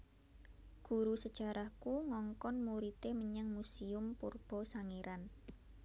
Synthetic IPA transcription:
ɡ̥ṳɾusəd̥ʒ̥a̤ɾahkuŋɔŋkɔnmuɾit̪eməɲəŋmusiʊmpurb̥ɔ̤saŋeɾan

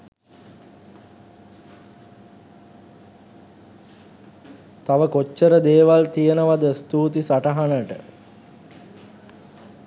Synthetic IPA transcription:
t̪aʋəkot͡ʃːəɾəd̪eːʋalt̪ijənəʋad̪əst̪uːt̪isaʈəɦanəʈə̰

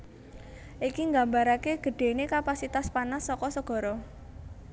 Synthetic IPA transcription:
ʔikiŋɡa̤mbaɾakeɡ̥ə̤ɖ̥e̤nekapasit̪aspanasːɔkɔsəɡ̥ɔ̤ɾɔ

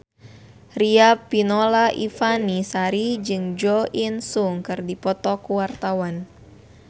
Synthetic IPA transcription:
riapːinolaʔifanisaɾid͡ʒɨŋd͡ʒɔʔinsuŋkɨrdipɔt̪ɔkuwart̪awan

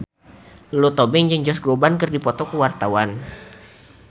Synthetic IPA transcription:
lot̪ɔbɛŋd͡ʒəŋd͡ʒɔsɡɾobankɨrdipɔt̪ɔkəwart̪awan

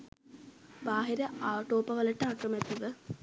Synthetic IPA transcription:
baːɦiɾɐʔaːʈoːpɐʋɐlɐʈəakrɐmɛt̪ːiʋə

